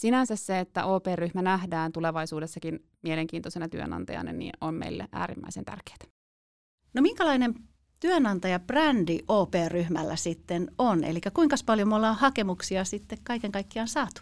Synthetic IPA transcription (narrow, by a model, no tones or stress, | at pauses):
sinænsæsseet̪ːæ̰ʔoːpeːrːyhmænæhdæːnt̪uleʋɑisuːdesːɑkin | mieleŋk̟iːnt̪osenɑt̪yø̰nɑ̰nt̪ɑ̰jɑ̰nɑ̰nḭnʔommḛilːḛʔæ̰ːɾḭmːæ̰isent̪æ̰rke̥ːt̪æ̥ | nomiŋkælɑinem | t̪yønɑnt̪ɑjɑprændiʔoːpeːrryhmæ̰lːʔæ̰sit̪ːenonḛlikːˑækuiŋkɑspɑljomolːɑhɑkemuksiɑsit̪ːekkɑikeŋkɑikːiɑnsɑːt̪u̥